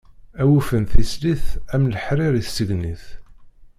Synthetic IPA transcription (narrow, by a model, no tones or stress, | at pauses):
æwufənθisliθæmləħɾiɾiθsəɡniθ